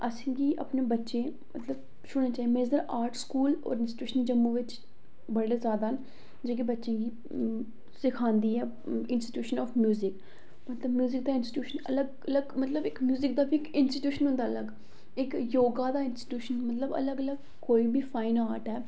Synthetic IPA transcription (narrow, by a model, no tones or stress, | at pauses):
əsĩːɡiːʔə̰pneːbətːʃẽː | mət̪ləb | ʃʊɽnẽːt͡ʃaːimẽɪzd̪əɾʔaːɾʈskuːlɔ̰ːɾɪnsʈʈjuːʃənd͡ʒəmːũːʋɪt͡ʃ | bəɽeːzjaːd̪aːɦən | d͡ʒeːk̬ibətːʃẽːɡiː | sɪkʰãːnd̪iːɛː | ɪnsʈɪ̥ʈjuːʃənɔːfʰmjuːzɪk | mət̪ləbmjuːzɪk̚d̪aːɪnsʈɪ̥ʈjuːʃənə̰ləɡ | ləɡmət̪ləbɪkmjuːzɪk̚d̪aːbikɪnsʈiʈjuːʃənɦʊ̃nd̪aːələɡ | ɪkjoːɡaːd̪aːɪnsʈi̥ʈjuːʃənmət̪ləbə̰ləɡələɡ | koːiːbiːfʰaːinaːɾʈɦɛː